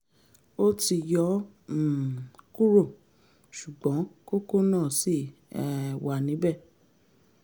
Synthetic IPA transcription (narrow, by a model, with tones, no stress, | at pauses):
o˦ti˧jɔ˨˦˨ | ku˦ɾo˦˨ | ʃu˨ɡ͡bɔ̃˨˦ko˦ko˦˨nãː˦˨si˦˨ | ɛ˨wa˨nĩ˨˦bɛ˦˨